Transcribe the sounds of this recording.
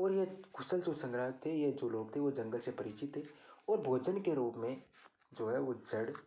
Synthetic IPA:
ɔːɾjekʰʊsəlsosə̃ŋɡɾaɦt̪ʰejed͡ʒoloːɡ̚t̪ʰeʋod͡ʒɐ̃ŋɡəlsepɐɾɪt͡ʃɪt̪ɦɛɔːɾbʱoːd͡ʒənkeɾuːpmẽ | d͡ʒoːɦɛʋod͡ʒɐɽ

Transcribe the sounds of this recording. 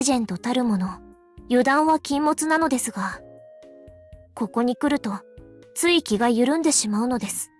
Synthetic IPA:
ʑẽ̞nt̪o̞t̪aɾɯ̟mo̞no̞ | jɯ̟d̪ãɰ̃βakʲĩmːo̞t͡sɨnano̞d̪e̞sɨɡa | ko̞ko̞ɲ̟ikɯ̟ɾɯ̟t̪o̞t͡sɨikʲiɡajɯ̟ɾɯ̟̃nd̪e̞ɕimaɯ̟no̞d̪e̞sɨ̥

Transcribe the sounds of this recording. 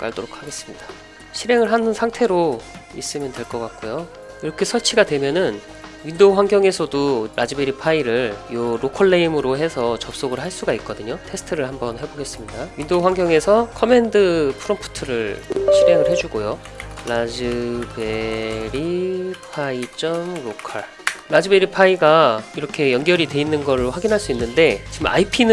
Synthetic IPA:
k͈a̰ɭdoɾok̚ʰaɡe̞s͈ɯmɲidḁ | ɕʰiɾe̞ŋɯɭɦanɯnsʰaŋtʰe̞ɾoḭs͈ɯmjʌndweɭk͈ʌk͈ak̚k͈ojo | iɾʌkʰe̞sʰʌɭt͡ɕʰiɡadwe̞mjʌnɯn | ɥindoɸwaŋɡjʌŋe̞sʰʌdoɾʔad͡ʑibe̞ɾipʰaiɾɯɭjoɾokʰʌɭːeimɯɾoɦe̞sʰʌt͡ɕʌp̚s͈oɡɯɭɦaɭs͈uɡaik̚k͈ʌdɯɲotʰe̞sʰɯ̥tʰɯɾɯɭhambʌnɦe̞boɡe̞s͈ɯmɲidawindoɸwaŋɡjʌŋe̞sʰʌkʰʌme̞ndɯpʰɯɾʌmpʰu̥tʰɯɾɯɭɕʰiɾe̞ŋɯɭɦe̞d͡ʑuɡojo | ɭad͡ʑɯbeɾipʰait͡ɕ͈ʌmɾokʰa̰ɭː | ad͡ʑibe̞ɾipʰaiɡaiɾʌkʰe̞jʌnɡjʌɾitwe̞inːɯnɡʌɭːoɸwaɡinɦaɭs͈uinːɯnde̞t͡ɕiɡma̰ipʰinɯ

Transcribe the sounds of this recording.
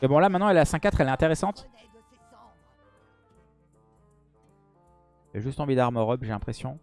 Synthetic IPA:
ebɔ̃lamɛ̃t̪nɑ̃ɛlasɛ̃kːat̪χɛlɛɛ̃t̪eʁesɑ̃t̪ | ɛlɛʒyst̪ɑ̃vid̪aʁmɔʁɔpʒelɛ̃pχesjɔ̃

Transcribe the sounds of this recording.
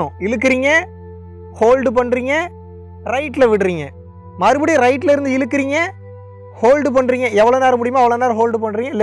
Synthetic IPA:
ʊ̃ɪlɯk̬ːɪɾiːŋɡɐ | hoːlɖɯpɐɳːɾiːŋɡɐ | ɾɐɪʈːlʋɪʈːɾiːŋɡɐ | mɐɾɯbɐɽiɾɐɪʈːɪlɪɾɯnd̪ɯɪlɯkːɪɾiːŋɡɐ | hoːlɖɯp̬ɐɳɾiːŋɡɐɛʋːɐɭoːnaːɾɐmʊɽɪjɐmaːɐʋɐɭoːnaːɾɦoːlɖɯpɐɳːɾiːŋɡɐlɛ

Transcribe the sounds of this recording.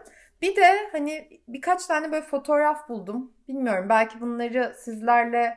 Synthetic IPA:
bid̪ɛhanɪbikʰat͡ʃt̪ʰaːnɛbøjlʲɛfo̞t̪ʰo̞ɾafbulˠd̪umb̥ilʲmijo̞ɾumbælʲcʰibunlˠaɾɯsizlʲæɾlʲɛ

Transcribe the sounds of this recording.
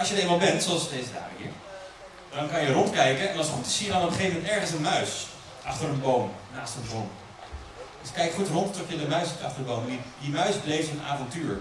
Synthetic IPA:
ɑlˠʃjədejmalˠbɛntsoɑlˠsədejzəda̰ːrəḭːɹ | d̥ɑnkɑjərɔntkɛjkəɛnɑlˠsχutɪ̥ssijədɑnɔpəχejvəmɛntɛɹχənsənmœɥs | ʔɑχtəɾənbowmnaːstənbrom | d̥əskɛjkχutrɔnttɔfjədəmœɥsitɑ̰χtərdəbowmɛnidimœɥzblejftəna̰ːvɔntyːɹ

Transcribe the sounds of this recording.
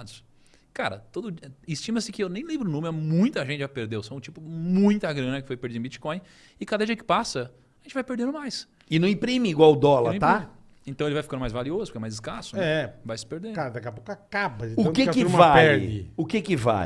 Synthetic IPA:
d̪ʊs | kaɾɐ̰t̪od̪ʊd͡ʒiɪst͡ʃĩmɐsɪkɪewnẽj̃lẽbɾʊnõmɪɛmũj̃t̪ɐʒẽt͡ʃɪʒapeɾd̪ewsɐ̃w̃t͡ʃipʊmũj̃t̪aɡɾɐ̃nɐkɪfojpeɾd͡ʒid̪̃bit͡ʃi̥kõj̃ | ɪkad̪ɐd͡ʒiɐkɪ̥pasɐ | ɐʒẽt͡ʃɪvajpeɾd̪ẽnd̪ʊmajs | ɪnɐ̃w̃ĩpɾĩmɪiɡwawd̪ɔlɐɾ̃t̪a | ẽnt̪ɐ̃elɪvajfkɐ̃d̪ʊmajzvaliozʊpɾkɛmajzɪskasʊɛvajsɪ̥peɾd̪eɾkaɾɐd̪akɛɐpokʊakabɐɪʊ̃kɪkɪmvaɛɾɪ̰ʊkɪkɪva̰

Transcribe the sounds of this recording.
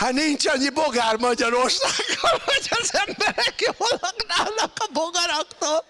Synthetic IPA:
hanint͡ʃɒɲːiboɡaːrmɒɟɒɾorʃaɡːolhoɟɒzɛmbɛɾɛkjolɒknaːlnɒkɒboɡɒɾɒkt̪oːl

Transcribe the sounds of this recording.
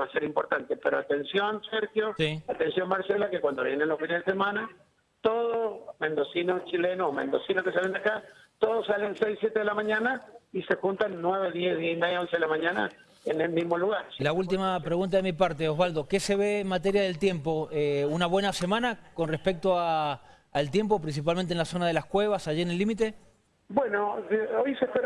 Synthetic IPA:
βaseɾimpoɾt̪ant̪epeɾoat̪e̞nsjonseɾxjosiat̪ensjo̞nmaɾselakekwand̪oβjenenlofinezðesemãna | t̪oðosmend̪osinost͡ʃilenomḛ̃nd̪osinoskesalend̪akat̪oðosalensejsːjet̪eðelamaɲãnaise̞xunt̪anːweβeðjeðiimejaonseðelamaɲana̰ | enelmizmoluɣaɾlault̪̬imapɾe̞ɣũnt̪̬aðemipaɾt̪eoɦβald̪o̞ke̞se̞βeːnmat̪̬eɾjaðe̞lt̪je̞mpo̞eunaβwe̞nase̞mãnakonrespek̚t̪oaː | elt̪je̞mp̬o̞pɾins̬ip̬almẽnt̪enlaso̞naðe̞laskwe̞β̞asaʒienelːimit̪e̞ | bwenoojsekeɾ

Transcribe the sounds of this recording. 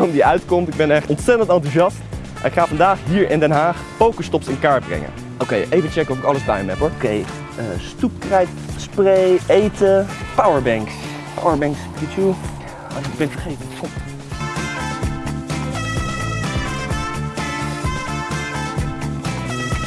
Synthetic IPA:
ɔmdiœɥtkɔmtɪɡ̚bɛnɛχɔntsɛtəntɑntuzɑst | ʔɛ̰nɪkχaːvɑndaːχɦiːɹʔɪndɛnɦaːχ | powkəstɔpsɪnkaːɹt̚brɛ̰ŋə̰n | ʔowkejʔejvənt͡ʃɛkəɔfɪkɑləzbɛjmɛpɔkej | əstup̚krɛjt | sprejejtəpawəɹbɛŋks | pa̰wəɹbɛŋkskitu | ɡ̚bɛnfəχejvən

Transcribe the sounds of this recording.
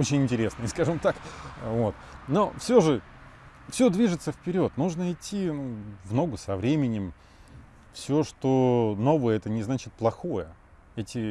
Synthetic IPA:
ot͡ɕɪnʲɪnʲtʲɪɾʲesnɨjəskaʐɨmt̪akvo̞t̪no̞fsʲoʐɨ | fsʲɵd̪vʲiʐɨt̪səfpʲɪɾʲo̞t̪nuʐnəɪtʲʰːinuvno̞ɡʊsɐvɾʲemʲɪnʲɪm | fsʲoʂt̪ono̞vəjəɛt̪ənʲɪznat͡ɕɪt̪̚plˠɐxo̞jə | ɛtʲɪ

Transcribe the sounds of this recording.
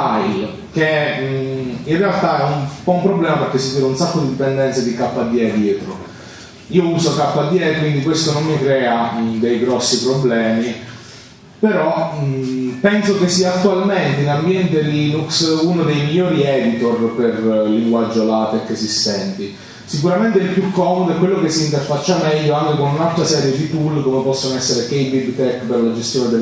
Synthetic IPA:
ajl | k̟e | inrealt̪aɛumpɔumpɾoblɛːmapeɾkesːid̪iːɾaunsakːod̪id̪ipɛnd̪ɛnt̪sed̪ikapːad̪ːjɛːed̪jɛːt̪ɾo | iːouːsokapːad̪ːjɛːekwind̪ikwest̪onomːikɾɛːad̪ejɡɾɔsːipɾoblɛːmi | peɾɔ | pɛnsokesːiaːt̪ːualment̪einambjɛnt̪eliːnuksunod̪ejmiʎːoːɾiɛːd̪it̪orperliŋɡwad͡ʒːolat̪ɛkːesist̪ɛnt̪i | sikuɾament̪eilpjukːɔːmod̪oɛkwelːokesːint̪erfat͡ʃːamɛʎːoaŋkekonunalt̪ɾasɛːɾjed̪it̪ulkomepɔsːonoɛsːeɾekejbibt̪ɛkːperlad͡ʒest̪joːned̪e

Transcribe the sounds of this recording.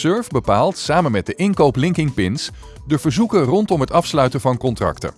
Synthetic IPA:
søɹvbəpaːlˠtsaːmənmɛt̚dəʔɪnkowplɪŋkɪŋpɪns | dəv̥əɹzukərɔntɔmɦətɑfslœɥtəvɑnkɔntrɑ̰ktə̰

